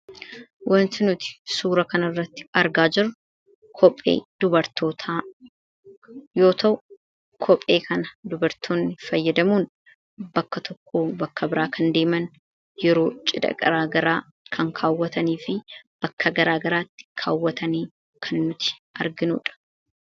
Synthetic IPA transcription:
wɐnt̪ɪnʊt̪ɪ̥suːɾɐkɐnɐrːɐt̪ːɪ̥ɐɾɡaːd͡ʒɪɾ | kʰɔpʼːe̞̰ːd̪̥ʊbɐɾt̪o̞ːt̪ʰaː | jo̞ːt̪ɐwʊ | kʰɔpʼːe̞ːkʰɐnɐd̪ʊbɐɾt̪ʰoːnːɪfɐjːɐd̪ɐmuːn | bɐkːɐt̪ʰɔkʰːoːbɐkːɐbɪɾaːkʰɐnd̪e̞ːmɐn | jɛɾo̞ːt͡ʃʼɪd̪ɐ̰ɡɐ̰ɾaːɡɐɾaː | kʰɐŋkʰaːwːɐt̪ɐniːfɪb̥ɐkːɐɡɐɾaːɡɐɾaːt̪ːɪ̥kʰa̰ːwːɐt̪ʰɐniː | kʰɐnːʊt̪ɪ̥ʔɐɾɡɪnṵːᶑɐ̥

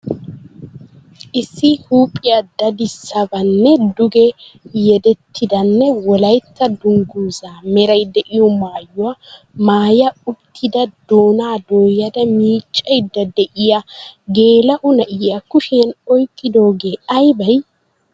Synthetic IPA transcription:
ʔɪsːɪhuːpʼːɪjɐd̪ɐd̪ɪsːɐbɐnːɛd̪ʊɡɛ | jɛd̪ɛt̪ʰːɪd̪ɐnːɛwɔlɐjt̪ːɐd̪ʊŋɡuːzaːmɛɾɐjd̪ɛʔɪjɔmaːjʊwa | maːjɐʊt̪ʰːɪd̪ɐd̪̥oːnaːd̪o̞ːjɐd̪ɐmiːt͡ʃʼːɐjd̪ɐd̪ɛʔɪjaɡe̞ːlɐʔʊnɐʔɪjakʊʃenɔjkʼːɪd̪o̞ːɡe̞ːɐjbɐj

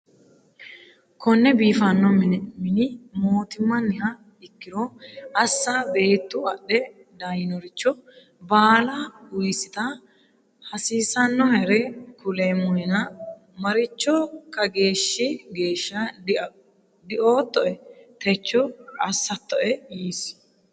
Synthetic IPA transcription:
kʰɔnːɛbiːfɐnːɔmnmɪnɪmoːt̪ɪmːɐnːɪhɐ | ɪkːɪɾɔɐsːaːbe̞ːt̪ːʊɐɗɛ | d̪ajɪnɔɾɪt͡ʃːɔ | baːlaʊjsɪt̪ɐ | hɐsiːsɐnːɔhɛɾɛkʊleːmːɔɛnɐ | mɐɾɪt͡ʃːɔkɐɡe̞ːʃːɪɡe̞ːʃːɐ | d̪ɪʔoːt̪ːɔʔɛt̪ɛt͡ʃːɔɐsːɐt̪ːɔʔɛjiːs

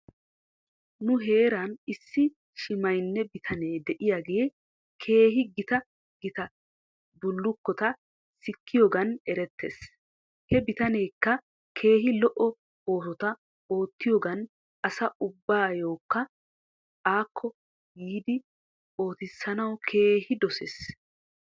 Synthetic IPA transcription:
nʊɦe̞ːɾɐnɪsːɪ | ʃɪmɐjnːɛbɪt̪ʰɐneːd̪ɛʔɪjaɡe̞ː | kʰe̞ːɦɪɡɪt̪ɐ | ɡɪt̪ɐ | bʊlːʊkːɔt̪ɐ | sɪkːɪjoːɡɐnɛɾɛt̪ːḛs | hɛbɪt̪ɐne̞ːkːɐ | kʰe̞ːɦɪlɔʔɔ | o̞ːsɔt̪ɐ | o̞ːt̪ːɪjoːɡɐn | ʔɐsɐʔʊbːaːjo̞ːkːɐ | ʔaːkʰːɔ | jiːd̪ɪ | o̞ːt̪ɪsːɐnɐwkʰe̞ːhɪd̪ɔseːs

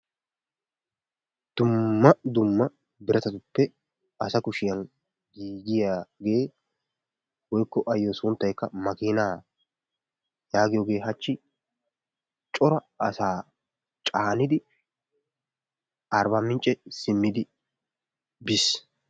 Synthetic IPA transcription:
d̪̥ʊmːɐd̪ʊmːɐ | bɪɾʔɐt̪ɐt̪ʊpːɛ | ɐsɐkʊʃɪjɐn | ɡiːɡɪjaɡe̞ː | wɔjkːɔʔɐjːosʊnt̪ːɐjkːɐmɐkiːnaː | jaːɡɪjoːɡe̞ːɦɐt͡ʃːɪ | t͡ʃʼɔɾɐ | ɐsaː | t͡ʃʼaːnɪd̪ɪ | ɐɾbɐmɪnt͡ʃʼːɛsɪmːɪd̪ɪ | bɪs

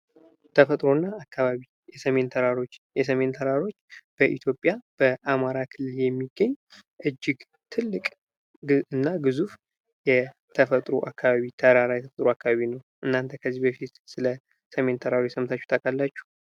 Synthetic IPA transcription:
t̪ʰəfət̪ʼɾo̞nːaakʰːaβaβi | jɛsəme̞nt̪ʰəɾaɾo̞t͡ʃːjɛs̬əme̞nt̪ʰəɾaɾo̞t͡ʃːb̥əʔḭt̪ʰjo̞pʼjab̥əʔamaɾakʰɨlːɨljɛmːiɡːəɲː | ʔɨd͡ʒːɪɡ | t̪ʰɨlːɨkʼ | ɨnːaɡɨzuf | jɛ | t̪ʰəfət̪ʼɾoʔakːaβaβit̪ʰəɾaɾajɛt̪ʰəfət̪ʼɾoakːaβaβinəwʔɨnːant̪ʰəkʰəzːibəfit̪sɨlə | səme̞nt̪ʰəɾaɾojɛsəmt̪ʰat͡ʃːu̥t̪ʰʼəkʼalːat͡ʃːu̥

